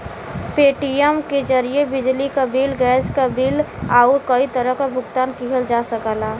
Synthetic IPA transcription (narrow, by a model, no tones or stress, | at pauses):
peːʈijəmked͡ʒəɾijebɪd͡ʒlikabilɡɛːskabilaʊɾkəit̪əɾəɦkabʱʊɡt̪aːnkiɦəld͡ʒasəkəlaː